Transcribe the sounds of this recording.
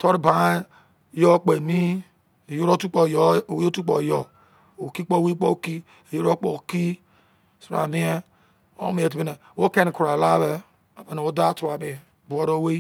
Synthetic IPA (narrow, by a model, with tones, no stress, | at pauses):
to˦ɾi˦ba˨˦ | jo˦k͡pe˨mi˦˨ | jo˦ɾo˦tu˦k͡po˨jwo˦tu˦k͡po˨jo˨ | o˨ki˦k͡po˦we˦k͡po˦˨ki˦ | e˨jo˦ɾo˦k͡po̰˨ki˦ | so˨ɾa̰˨mi˦e˦ | o̰˦mi˦e˨t̬i˨be˦ne˨wo˦ke˦ni˨ku˨ɾa˨la˦be˦ | a˨be˨n˨wo˦da˦tu˨a˨mi˨ | bu˨o˦ɾo˦we˦